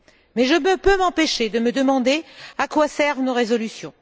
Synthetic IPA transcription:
mɛʒəpəpømɑ̃peʃed̪əməd̪əmɑ̃d̪eakwasɛʁvnoʁezɔlysjɔ̃

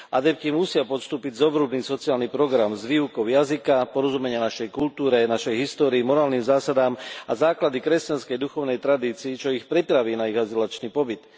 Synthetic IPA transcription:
ʔad̪ɛp̚kimusɪapɔt̪st̪uːpiɟzɔbɾubniːsɔt͡siaːlnipɾɔɡɾamzʋiːukɔʊjazikapɔɾɔzumɛɲɪanaʃɛjkult̪uːɾɛnaʃɛjɦist̪ɔːɾiːmɔɾaːlniːmzaːsad̪aːmazaːklad̪ikɾɛscanskɛjd̪uxɔʊnɛjt̪ɾad̪iːt͡siːt͡ʃɔixpɾɛpɾaʋiːnaiɣazilat͡ʃniːpɔbit̪

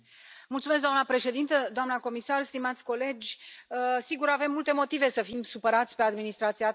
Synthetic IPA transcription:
mult̪sumes̬ɡd̪anəpɾe̞ʃe̞d̪int̪əd̪oamnəko̞misarst̪imat̪sʲko̞le̞d͡ʒʲəsiɡuɾave̞mːult̪e̞mo̞t̪ive̞səfimsupəɾat̪sʲpe̞ad̪minist̪ɾat̪sia

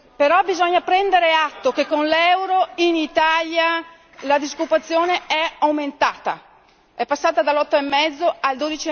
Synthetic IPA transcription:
peɾɔbizɔɲːapɾɛnd̪eɾeat̪ːokekːonlɛwɾoinit̪alja | lad̪iskupat̪sːjoːneɛawment̪aːt̪a̰ | ɛpːasːaːt̪ad̪alːɔt̪ːoemːɛd̪zːoald̪oːd̪it͡ʃi

